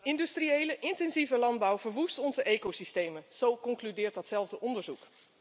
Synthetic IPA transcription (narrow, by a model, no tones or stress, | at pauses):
ɪndystriejləʔɪntɛnzivəlɑnd̚bɑwvəɹʋustɔnzəʔejkowsistejmənz̥owkɔŋklydɪːɹtdɑtsɛlˠvdəʔɔndəɹzuk